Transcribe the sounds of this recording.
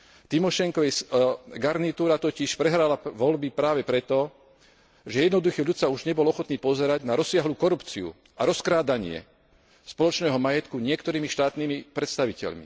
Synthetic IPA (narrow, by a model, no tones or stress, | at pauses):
t̪imɔʃɛŋkɔʋɛjsɡaɾnit̪uːɾat̪ɔciʃpɾɛɦɾalaʋɔlbipɾaːʋɛpɾɛt̪ɔ | ʒɛjɛd̪nɔd̪uxɛʎut̪sauʒɲɛbɔlɔxɔt̪niːpɔzɛɾaɟnaɾɔsːɪaɦluːkɔɾupt͡siṵ | ʔaɾɔskɾaːd̪aɲɪɛ̰ | spɔlɔt͡ʃnɛːɦɔmajɛt̪kuɲɪɛkt̪ɔɾiːmiʃt̪aːt̪niːmipɾɛt̪st̪aʋicɛ̰ʎmḭ